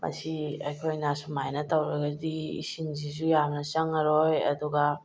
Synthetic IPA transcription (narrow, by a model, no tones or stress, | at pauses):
mʔɐ̰siɐjkʰojnasumajnɐtawɾɐɡɐdiḭsinzizujamnɐsɐŋɐɾojɐ̰duɡa